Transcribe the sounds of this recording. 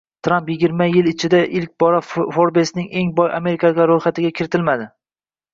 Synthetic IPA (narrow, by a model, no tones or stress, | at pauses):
t̪ʰɾampjɪɡʲɪɾmajɪlɪt͡ʃʰɪd̪aʔɪlk̚ʲbɒɾafoɾbesnɪŋʔe̞ŋbɒjame̞ɾɪkʰaɡʲaɾojχat̪ɪɡʲakʲʰɪɾɪt̪ʰɪlmad̪ɪ